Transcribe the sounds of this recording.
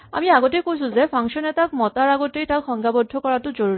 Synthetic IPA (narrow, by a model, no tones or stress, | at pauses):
a̰miaɡɔtekojsʊ̃zɛpʰaŋksɔnɛtak̚mɔtaɹaɡɔtejtakxɔŋɡʱabɔdʱːɔkɔɹatʊzoɹuɹi